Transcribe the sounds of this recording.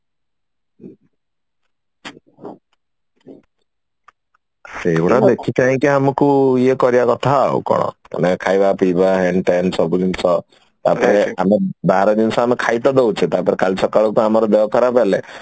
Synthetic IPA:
eeuɽad̪ekʰik̪aɦĩkeamɔkuiekɔɾiakɔt̪ʰa̰ːṵkɔ̰ɽ̃ɔ̰̃ka̰nekʰajbapibaɦenʈensɔbud̪insɔ | t̪a̰pɔɾeamebaɾɔd̪insɔamekʰajt̪ɔd̪ewt͡ʃʰet̪apɔɾekalisɔkaɭɔkuamɔɾɔd̪eɔkɔɾapale

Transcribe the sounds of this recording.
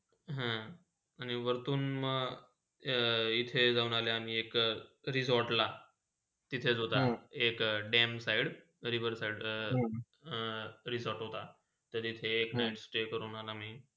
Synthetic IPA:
ɦã | añiʋəɾt̪uːnməɡ | it̪ʰed͡zaunaleam̤iːekɾizɔɾʈla | t̪it̪ʰet͡sɦot̪aekɖɛmsaiɽ | ɾiʋəɾsaiɽ | ɾizɔɾʈɦot̪a | t̪əɾit̪ʰeːknajʈsʈekəɾuːnalaːm̤iː

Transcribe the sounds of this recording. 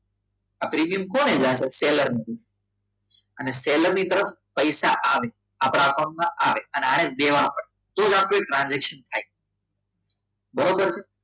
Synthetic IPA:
apɾiːmijəmkoːnẽd͡ʒaseseːləɾmed̪ise̥ | əneseləɾnit̪əɾəf | pəɪsaʔaʋe | aːpɽakõɳʈmãʔaʋeəneaːɽ̃eɓeːʋapəɽe | t̪oːd͡ʒapɾoeʈɾãːnzekʃənt̪ʰaːi | bəɾobəɾt͡ʃʰe

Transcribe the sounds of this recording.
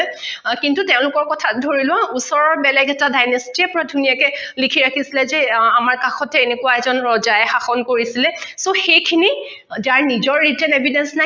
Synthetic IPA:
ɛkintuteʊ̃lʊkɔɹkɔtʰadʱoɹilʊwãusɔɹɔɹbɛlɛɡɛtadajnɔstiɛpɔɹadʱunijakɛlikʰiɹakʰisilɛzɛamaɹkaxɔtɛenekʊwaɛzɔnɹɔzajɛxaxɔnkoɹisilɛsoxejkʰini | d͡ʒaɹnizɔɹːitɛnebʱidɛnsna

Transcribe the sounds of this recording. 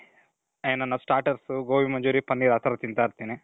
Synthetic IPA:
ɐjɐnːɐnːɐsʈaːɾʈɐɾsuɡoːʋimɐɲd͡ʒuːɾipɐnːiɾaːt̪ɐɾɐt̪int̪aːɾt̪iːni

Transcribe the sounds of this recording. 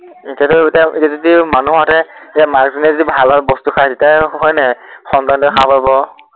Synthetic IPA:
itiatɔitiaʔitazodimanuɦatɛitamakzinɛzɔdibʱalaɹbɔstukʰasitiaɦɔjnɛxɔntantɔxʰapabɔ

